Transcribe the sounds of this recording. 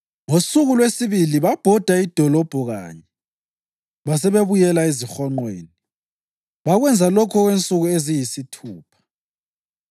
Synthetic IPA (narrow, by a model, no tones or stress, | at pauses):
ŋosuɣulwesiβiliβab̥ʱɔd̥ʱaid̥ʱɔlɔb̥ʱɔɣa̰ːɲɛ | βas̬ɛβeβujɛlaezixɔŋ͡ǃwḛːni | βaɣwɛnd͡zʱalɔkʰɔɣwent͡sʼuɣuezijisitʰuːpʰḁ